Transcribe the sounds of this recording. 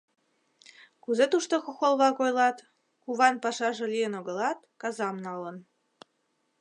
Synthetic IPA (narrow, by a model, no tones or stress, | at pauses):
kuzet̪uʃt̪oxoxolβɑkojlɑt̪ | kuβɑnpɑʃɑʒelijənoɣəlɑt̪kɑzɑmnɑlən